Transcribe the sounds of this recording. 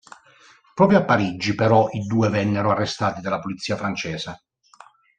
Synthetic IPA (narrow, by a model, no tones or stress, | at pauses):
pɾɔːpɾjoapːaɾid͡ʒːipeɾɔʔid̪uːevɛnːeɾoarːest̪aːt̪id̪alːapulit̪sːiːafɾant͡ʃɛːsa